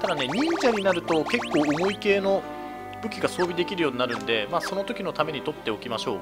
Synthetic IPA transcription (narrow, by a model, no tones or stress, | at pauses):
t̪ad̪ane̞ɲ̟ĩɲd͡ʑaɲ̟inaɾɯ̟t̪o̞ke̞kːo̞ːomo̞ike̞ːno̞ | bɯ̟kʲiɡaso̞ːbʲid̪e̞kʲiɾɯ̟jo̞ːɲ̟inaɾɯ̟̃nd̪e̞maːso̞no̞t̪o̞kʲino̞t̪ame̞ɲ̟it̪o̞t̪ːe̞o̞kʲimaɕo̞̰ː